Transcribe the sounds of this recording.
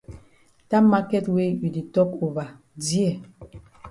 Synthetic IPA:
ta˦ma˦kɛ˦twe˦i˨di˨tɔ˦ko˨va˨ | di˦ɛ˨

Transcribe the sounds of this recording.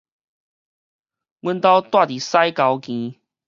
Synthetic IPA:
wə˥˧nt̪a˥˧ʊt̪wa˥˨˩t̪i˨˩sa˦jka˨˧ʊkĩ˨˦

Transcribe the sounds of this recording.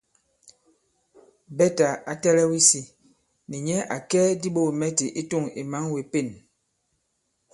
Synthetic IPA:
bɛ˦ta˨a˨tɛ˦lɛ˦wi˦si˦ | ni˨ɲɛ˦ʔa˨kɛ˦di˦ɓo˦˨e˨mɛ˦ti˨ʔi˦tu˦˨ŋi˨ma˨˦ŋwe˨pe˦˨n

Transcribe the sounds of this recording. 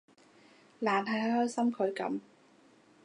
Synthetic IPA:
laː˨˩nɦɐ˨jɦhɔː˥jsɐ˥mkʰɵ˨˧ɥkɐ̰˨˥m

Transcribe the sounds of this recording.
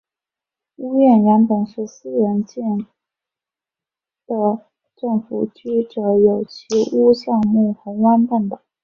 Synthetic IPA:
u˥ɥɛ˥˩nɻɛ˧˥npə˨˩nʂɻ̩˥˩sɹ̩˥˧ɻə˧˥nt͡ɕɛ˥˩n | d̪̥ə˨ | ʈ͡ʂɤ˥˩ŋfṵ˨˩t͡ɕy˥˩ʈ͡ʂɤ˧˥jo˨˩ʊt͡ɕʰi˧˥u˥ɕjɑ˥˧ŋmu˥˩xə˧˥wa˥npa˥˩nt̪ɑ˨˩˦

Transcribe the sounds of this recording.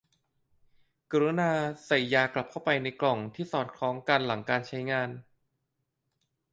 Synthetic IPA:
ka˧ɾoː˦˥naː˧sa˨˩jːaː˧kla˨˩p̚ʰa˥˩wpa˧jna˧jklɔ˨˩ŋt̪ʰiː˥˩sɔː˨˩t̪̚kʰlɔː˦˥ŋka˧nla˩˦ŋkaː˧nt͡ɕʰa˦˥jŋaː˧n

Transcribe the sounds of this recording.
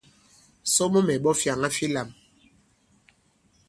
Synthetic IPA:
so˦mo˦mɛ˨ɓɔ˦fja˨ŋa˦fi˦la˨m

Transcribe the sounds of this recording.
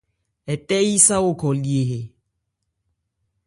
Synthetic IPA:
ɛ˨tɛ˦i˦sa˦o˦kʰɔ˨li˨e˨ɦe˨

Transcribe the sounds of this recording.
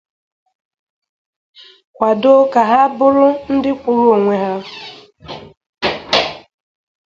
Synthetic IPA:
kʷa˨do˦ka˨ɦa˦bʊ˦ɾʊ˦n̩˦dɪ˦kʷʊ˨ɾʊ˦o˨ŋʷe˨ɦa˦

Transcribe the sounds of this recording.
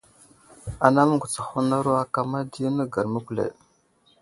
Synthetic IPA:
a˨na˦mə˦ŋɡu˨t͡sḁ˨xu˦na˦ɾu˦a˦ka˨ma˦di˦nə˦ɡa˨ɾmə˦kʷlḛ˨

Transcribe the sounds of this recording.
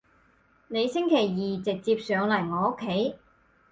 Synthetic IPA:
ne˨˧jsɪ˥ŋkʰe˨˩jːiː˨t͡sɪ˨k̚t͡siː˧p̚sœː˨˧ŋlɐ˨˩jŋɔː˨˧o˥kʰːe˨˥j

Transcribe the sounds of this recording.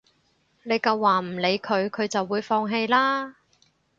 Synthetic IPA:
ne˨˧jkɐ˧wːaː˨˩m̩˨˩le˨˧jkʰɵ˨˧ɥkʰɵ˨˧ɥt͡sɐ˨wːuː˨˧jfɔː˧ŋɦe˧jlaː˥

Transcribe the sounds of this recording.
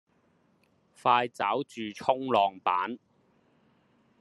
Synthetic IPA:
faː˧jt͡saː˨˥wt͡ʃyː˨t͡ʃʰʊ˥ŋlɔː˨˩ŋpaː˨˥n

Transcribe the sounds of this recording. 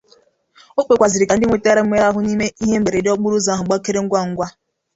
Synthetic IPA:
o˦k͡pe˨kʷa˨zɪ˨ɾɪ˨ka˨n̩˦dɪ˦ŋʷe˨te˦ɾa˦m̩˦me˦ɾa˦ɦʊ˨ni˦me˦i˦ɦe˦m̩˦ɡ͡be˨ɾe˨dɪ˦ɔ˦k͡pʊ˦ɾu˦za˦ɦʊ˨ɡ͡ba˦ke˦ɾe˦ŋ̩˦ɡʷa˦˨ŋ̩˦ɡʷa˦

